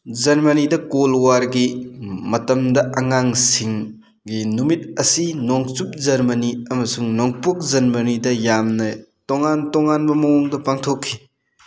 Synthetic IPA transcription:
zɐɾmɐnidɐkolwaɾɡimɐtɐmdɐʔɐŋaŋsiŋ | ɡinumit̚ɐsinoŋt͡ʃup̚d͡ʒɐɾmɐniɐmɐsuŋnoŋpuk̚zɐɾmɐnidɐjamnɐtoŋantoŋanbɐmɐŋoŋdɐpaŋtʰokʰːi

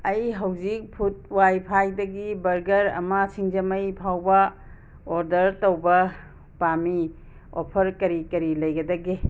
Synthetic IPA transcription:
ɐjɦɐwd͡ʒik̚pʰut̚wajpʰajdɐɡibɐɾɡɐɾɐ̰mɐsʰiŋd͡ʒɐmɐjpʰawbɐ | oɾdɐɾtowbɐ | pami | o̰pʰɐɾkɐɾikɐɾilɐjɡɐdɐɡe

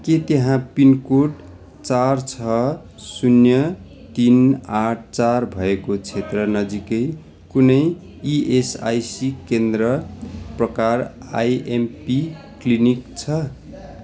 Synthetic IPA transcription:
ket̪eɦãpinkoʈ | t͡sart͡sʰʌ | sunjʌ | t̪inaʈʰt͡sarbʱʌekot͡sʰet̪rʌnʌd͡zikʌj | kunʌj | iʔesa̰jsikend̪rʌprʌkara̰jempi | klinikt͡sʰʌ

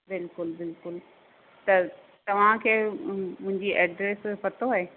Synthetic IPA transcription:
bɪlkʊlbɪlkʊl | t̪ɐ | t̪ɐʋ̤ãkʰeːmʊ̃ɦɪ̃ɲd͡ʑiʔeːɖɾeːspɐt̪oaːɦeː

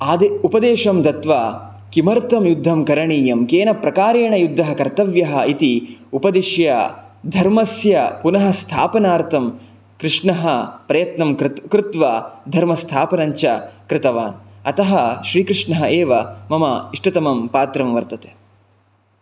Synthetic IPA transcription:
aːd̪eupɐd̪eːʃɐmt̪ɐt̪ʋaː | kimɐɾt̪ɐmjud̪ʱːɐmkɐɾɐɳiːjɐmkeːnɐpɾɐkaːɾeːɳɐjud̪ʱːɐɦɐkɐɾt̪ɐʋjɐɦɐit̪iupɐd̪iʃjɐ | d̪ʱɐɾmɐsjɐpunɐɦɐst̪ʰa̰ːpɐnaːɾt̪ʰɐm | kɾɪʂɳɐɦɐpɾɐjɐt̪nɐmkɾɪt̪ʋaːd̪ʱɐɾmɐst̪ʰaːpɐnɐɲt͡ʃɐkɾɪt̪ɐʋa̰ːnɐt̪ɐɦɐʃɾiːkɾɪʂɳɐɦɐeːʋɐmɐmɐiʂʈɐt̪ɐmɐmpaːt̪ɾɐmʋɐɾt̪ɐt̪e̥

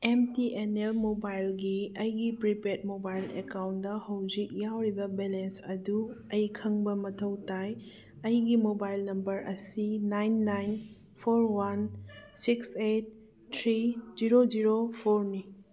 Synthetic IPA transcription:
emtiʔenelmobajlɡiɐjɡipɾipeɾt̚mobajlekawntdɐhɐwd͡ʒik̚jawɾibɐbelensɐduɐjkʰɐŋbɐmɐtʰɐwtaj | ɐjɡimobajlnɐmbɐɾɐsinajnːajn | pʰoɾwansikset̚ːʰ | ɾiziɾod͡ʒiɾopʰoɾni

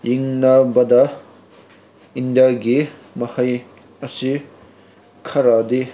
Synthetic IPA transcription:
jiŋnabɐd̪ɐ | ind̪jaɡi | mɐhɐj | ɐsi | kʰɐɾad̪e

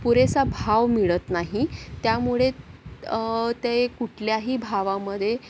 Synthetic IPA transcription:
puɾesabʱaʋmiɭət̪naɦit̪jamuɭe | t̪ekuʈʰljaɦiːbʱaʋaməd̪ʱːje

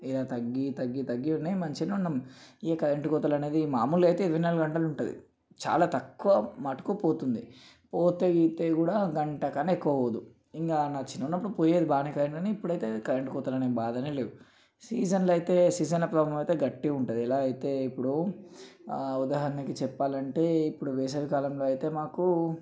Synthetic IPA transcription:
ilaːt̪ɐɡːit̪ɐɡːit̪ɐɡːiunːemɐɲt͡ʃinɐunːɐmekɐɾeɳʈkɔːt̪̬ɐlɐne̞ːd̪imaːmulɐjt̪e̞ːiɾɐʋɐjnaːlɐɡɐɳʈɐluɳʈud̪ḭ | t͡ʃa̰ːlaːt̪ɐkːuʋɐmɐːʈɐ̥kupoːt̪und̪i | poːt̪eit̪eːkuːɽaːɡɐɳʈɐkaneekːuʋɐoːd̪u | iŋɡaːnaːt͡ʃinːɐunːɐp̬ːuɽupoːjeːd̪ibaːnikɐɾeɳʈɐniipːuɽɐjt̪e̞ːkɐɾeɳʈikɔːt̪ɐlɐneːbaːd̪ɐnele̞ːu | siːd͡ʒɐnlɐjit̪e̞ːsiːd͡ʒɐnlɐpɾɐbɐɐmɐjt̪eːɡɐʈːiɡuɳʈɐd̪iɛlaːɐjit̪e̞ːipːuɽu | ud̪aːɦɐɾɐnikit͡ʃɛpːaːlɐɳʈe̞ːipːuɽuʋeːs̬ɐʋikaːlɐmlo̞ːɐjt̪e̞ːmaːku

